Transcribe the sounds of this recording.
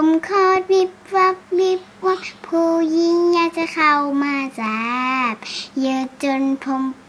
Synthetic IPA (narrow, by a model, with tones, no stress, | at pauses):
o˧˨mkʰɔː˧˩t̪̚wi˧p̚wa˧˥p̚wi˧˥pu˧˦k̚pʰuː˧ji˧˥ŋjaː˧˩k̚t͡ɕa˧˥kʰa˧˩wmaː˧˩saː˨˧˦p̚jɯː˧˩t͡ɕo˧˨npʰo˧m